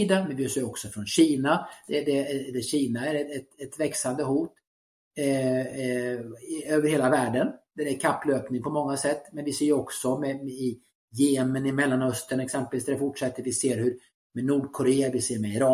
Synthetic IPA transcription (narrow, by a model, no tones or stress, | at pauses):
iːd̪amɛnvɪseːɾɔksɔfɾɔnɕiːnad̪̥ɛd̪ɛd̪ɛɕiːnaæɾɛɛt̪ɛt̪vɛksand̪əɦuːt̪ | øːvəɾheːlavæːɖənd̪̥ɛɾæɾkʰapːløːpnɪŋpʰɔmɔŋːasɛt̪ːmɛnvɪseːɾjɔksɔmɛmɛɪ | jeːɛmənɪmɛlːanœst̪əɳɛksɛmpəlviːsd̪æɾɛfʊʈʂɛt̪ːəɾvɪseːɾhɵɾ | mɛnuːɖkʰʊɾeːavɪseːɾmɛɪɾɑː